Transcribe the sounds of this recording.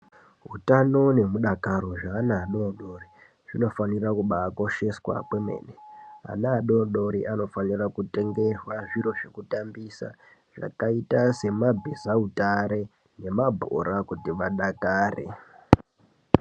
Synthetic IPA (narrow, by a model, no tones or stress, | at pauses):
ɦutano̞ne̞muɗakaɾo̞ʐaːnaːɗoɗo̞ri | ʐ̥ino̞fanirakuɓaːko̞ʃe̞swa̰kwe̞mḛːnea̰naːɗoɗo̞ɾiʔano̞fanirakute̞ŋɡe̞rwaʐiɾo̞ʐe̞kutambisa̰ | ʐ̥a̰kaitase̞mabʱezautaɾe̞ | ne̞mabʱo̰ɾakutiʋaɗakaːrḛ